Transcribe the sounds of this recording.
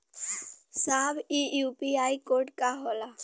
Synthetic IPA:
saːbijupiaːikoːɾʈkaɦola

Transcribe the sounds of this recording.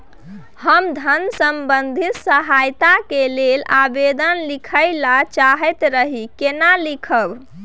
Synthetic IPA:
həmd̪ʱənsəmbənd̪ʱit̪səɦajt̪akelelabed̪ənlikʰəjlat͡ʃaɦɛt̪ɾəɦikenalikʰəb

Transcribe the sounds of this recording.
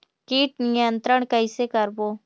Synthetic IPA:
kiːʈ̚nɪjənt̪ɾəɳ̃kəɪsekəɾboː

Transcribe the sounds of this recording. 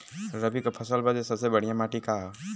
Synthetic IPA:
ɾəbikapʰɐsəlbad͡ʒesɐbsebɐɽ̤ijamaːʈikaɦ

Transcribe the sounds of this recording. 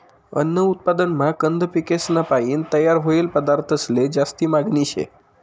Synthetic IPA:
ə̰nːəut̪̚pad̪ənmakənd̪ʱəpikesnapajiːnt̪əjaɾɦoilpəd̪aɾt̪ʰəsled͡ʑast̪iːmaɡniɕḛ

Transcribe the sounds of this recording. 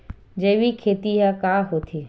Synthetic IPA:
d͡ʒɐʋikʰeːt̪iɦakaːɦoːt̪ʰiː

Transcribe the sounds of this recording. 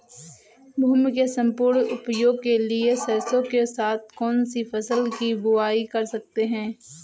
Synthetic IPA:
bʱumkesɐ̃mpʊːɾɳʊpjoːɡ̚keliesɐɾsõkesaːt̪̚ʰkɔːnsifɐsəlkibʊaːikɐɾsɐk̚t̪eɦɛ̃ː

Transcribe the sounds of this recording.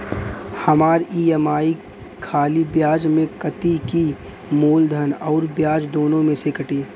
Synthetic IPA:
hɐmaːɾiːemaːi | kʰaːlibjaːd͡ʒmẽkɐt̪iki | moːld̪ʱənɔːɾbjaːd͡ʒd̪oːnõmẽsekɐʈiː

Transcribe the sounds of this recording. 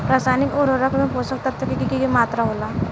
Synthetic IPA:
ɾasaːnikoɾoɾəkʰmẽposək̚t̪at̪ʰːəkikikikimaːt̪ɾaɦola

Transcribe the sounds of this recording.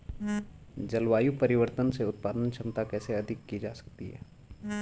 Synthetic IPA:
d͡ʒɐlwaːjupɐɾɪʋəɾt̪ənseʊt̪̚paːd̪ənʃʰɐmt̪akɛːseɐd̪ʱɪkːid͡ʒaːsə̥k̚t̪iɦɛ̰ː

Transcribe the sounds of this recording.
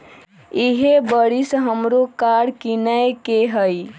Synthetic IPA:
iɦebəɽisɦəmɾokaɽkinəjkeɦəj

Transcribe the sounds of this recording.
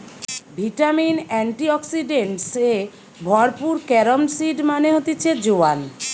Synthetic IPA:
bʱiʈaminɛɳʈiɔksiɖeɳʈse | bʱɔɾpuɾkɛɾomsiɖmaneɦot̪it͡ɕʰed͡ʑoan

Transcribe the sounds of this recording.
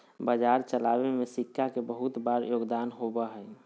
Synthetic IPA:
bəd͡ʒaɾt͡ʃəlabemesikʰːakebəɦut̪baɾjoːɡd̪aːnɦobəɦəj

